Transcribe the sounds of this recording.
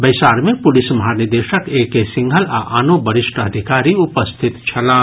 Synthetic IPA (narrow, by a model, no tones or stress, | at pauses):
bəɪsaːɾmẽpʊlismɐɦanid̪eʃəkeːkesɪ̃ŋɡʱəlaʔanobəɾɪʃʈəəd̪ʱikaːɾiupəst̪ʰit̪t͡ʃʰɐlãː